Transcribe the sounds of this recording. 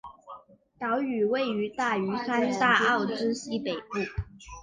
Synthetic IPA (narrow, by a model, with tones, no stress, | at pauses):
t̪ɑ˧˥ʊy˨˩we˥˩ɪy˧˥t̪a˥˩y˧˥sa˥nt̪a˥˧ɑ˥˩ʊʈ͡ʂɻ̩˥ɕi˥pe˨˩ɪpu˥˩